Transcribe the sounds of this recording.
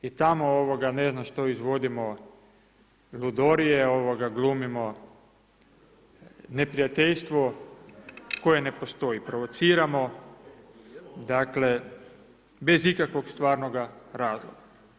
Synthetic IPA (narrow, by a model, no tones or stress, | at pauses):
it̪amooʋoɡane̞znaʃt̪oizʋo̞d̪imo | lud̪oɾijeo̞ʋoɡaɡlumimo | ne̞pɾijat̪eʎst̪ʋo | ko̞je̞ne̞po̞st̪o̞ipɾoʋot̪siːɾamo̞ | d̪akle̞ | be̞zikakʋo̞ɡst̪ʋaːɾnoɡaɾaːzlo̰ɡa